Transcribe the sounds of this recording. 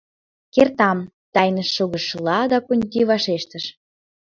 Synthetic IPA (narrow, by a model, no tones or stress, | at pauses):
kert̪ɑm | t̪ɑjnəʃːoɣə̆ʃːlɑd̪ɑkonʲt̪iβɑʃeʃt̪əʃ